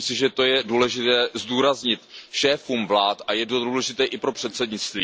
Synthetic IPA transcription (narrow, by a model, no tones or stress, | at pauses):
msɪʒɛt̪o̞jɛduːlɛʒɪt̪ɛːzduːɾazɲɪt̪ʃɛːfumvlaːt̪ʔajɛdouːlɛʒɪt̪ɛːʔɪpɾo̞pr̥ɛt̪sɛdɲɪt͡st̪viː